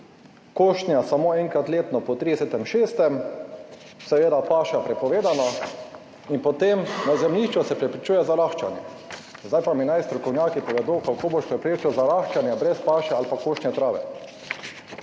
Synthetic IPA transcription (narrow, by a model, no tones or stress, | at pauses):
koːʃt̪njasamoːɛŋkɾat̪leːt̪nɔpɔt̪ɾid̪ɛset̪ɛmʃeːst̪ɛm | sɛʋeːd̪apaːʃapɾɛpɔʋeːd̪anɔ | inpɔt̪emnazɛmniʃt͡ʃɔsɛpɾɛpɾit͡ʃuːjɛzaɾaxt͡ʃanjɛ̰zd̪ajpaminajst̪ɾɔkɔwnjaːkipɔʋɛd̪okakoːboʃpɾɛpɾeːt͡ʃiwzaɾaxt͡ʃanjɛbɾɛspaːʃɛalpakoːʃt̪njɛt̪ɾaːʋɛ̰